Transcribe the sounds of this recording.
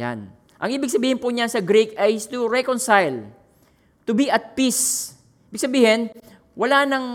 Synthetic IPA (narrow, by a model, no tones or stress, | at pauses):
a̰n | ʔɐ̰ŋʔiːbɪɡsɐbiːhɪnpʊɲansɐɡɾikɐjst̪ʊɹɛkonsajl | t̪ʊbiɐt̪̚pis | iːbɪɡ̥sɐbiːhɪn | wɐlaːnɐŋ